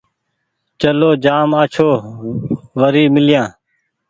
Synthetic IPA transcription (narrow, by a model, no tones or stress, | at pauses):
t͡ʃəloːd͡ʒaːmaːt͡ʃʰoː | ʋəɾiːmɪlɪjãː